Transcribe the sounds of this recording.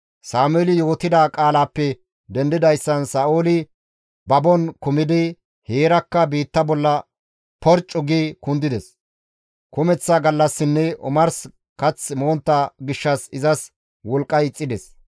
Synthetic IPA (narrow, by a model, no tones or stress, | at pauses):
saːmʊɛlɪjo̞ːt̪ɪd̪aːkʼaːlaːpːɛ | d̪ɛnd̪ɪd̪ɐjsːɐnsaːʔoːlɪ | bɐbɔnkʊmɪd̪ɪ | heːɾɐkːɐbiːt̪ːɐbɔlːɐ | pɔɾt͡ʃʼːʊɡiːkʊnd̪ɪd̪ɛs | kʊmɛt͡sːaɡɐlːɐsːɪnːɛʔʊ̰mɐɾs | kɐt͡sːmo̞ːnt̪ːaɡɪʃːɐsɪzɐs | wɔlkʼːɐjɪt͡sʼːɪd̪ɛs